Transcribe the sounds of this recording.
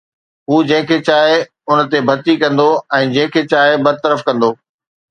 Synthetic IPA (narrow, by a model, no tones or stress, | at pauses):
ɦuːd͡ʑɐ̃ɦɪ̃kʰeːt͡ɕaːɦ | ʊnt̪ebʱɐt̪ikɐ̃nd̪oɛ̃ːd͡ʑɐ̃ɦɪ̃kʰet͡ɕaːɦɪbɐd̪̚t̪əɾəfkɐ̃nd̪oː